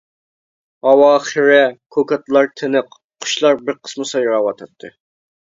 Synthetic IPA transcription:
ɑwɑːχɨɾɪkʰokʰɑt̪ʰlˠɑɾt̪ʰɪnɨq | qʰːʊ̥ʃlˠɑɾbɪɾqʰə̥smɨsɑjuɾɑwɑt̪ʰɑt̪ʰːɨ

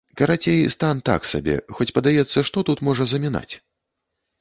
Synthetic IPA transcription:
kɐɾat͡sʲejst̪ant̪a̰ksa̰bʲɛ̰xɔt͡sʲpɐd̪ajɛt̪sːɐʂt̪ɔt̪ut̪mɔʐɐzɐmʲina̰t͡sʲ

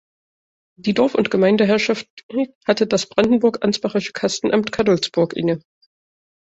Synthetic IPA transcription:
d̥iːdɔɐfʊ̰ntɡ̥əmaɪndəɦɛɐʃafthatədasb̥ʁandn̩bʊɐkʔa̰nt͡sb̥aʁɪʃə̥kʰastn̩ʔamtkʰaɐdɔlsb̥ʊɐkʔɪ̰ŋə

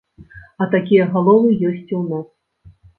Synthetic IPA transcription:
ɐt̪akʲijɐɣalˠɔvɨjɔsʲt͡sʲuwnas

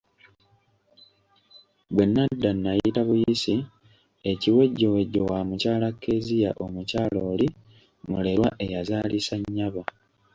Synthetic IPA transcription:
βwe̞nːadːanːajitaβujisi | e̞ciwe̞ɟːo̞we̞ɟːo̞wamucaːlakːe̞zijaʔo̞mucaːloːli | mule̞ɾwaʔe̞jazaːlisaɲːaβa

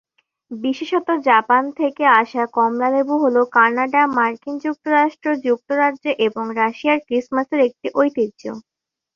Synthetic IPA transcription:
biʃeʃɔt̪od͡ʑapant̪ʰekeaʃakɔmlalebuɦolokaɾnaɖamaɾkind͡ʑuk̚t̪oɾaʃʈɾod͡ʑuk̚t̪oɾadʑoʔeboŋɾaʃiaɾkɾismaseɾek̚ʈiʔojt̪id̪d͡ʑo̰

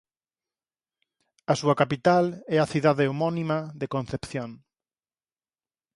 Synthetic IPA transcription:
ɐsuɐkapit̪alɛɐθiðaðɪomɔnimaðekõn̟θepθjoŋ

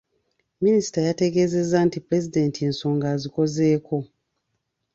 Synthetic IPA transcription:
minisi̥tajate̞ɡe̞ːze̞zːantipɾe̞zide̞ːntie̞nso̞ːŋɡaːziko̞ze̞ːko̞

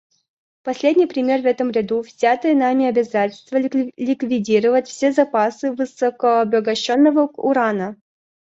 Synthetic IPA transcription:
pɐsʲlʲedʲnʲɪjpɾʲɪmʲe̞rvɛt̪əmɾʲɪd̪uvzʲat̪ɨjənamʲɪɐbʲɪzatʲɪlʲst̪vəlʲɪkvʲɪdʲiɾəvətʲfsʲe̞zɐpasɨvɨsəkəɐbəɡɐɕːo̞nːəvəʊɾanə

